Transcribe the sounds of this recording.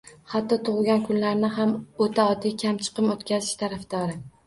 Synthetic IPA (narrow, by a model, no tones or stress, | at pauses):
hat̪ːɒt̪ʰʊʁɡʲankʰʊnlaɾnɪhamot̪ʰaɒd̪ikʲʰamt͡ʃʰɨ̥qɨmot̪kʲʰazɪʃt̪ʰaɾafd̪̥ɒɾɪ